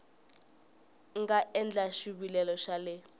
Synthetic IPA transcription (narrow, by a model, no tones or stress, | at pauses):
ŋɡaʔɛnd͡ɮaʃuɓilɛlɔʃalɪ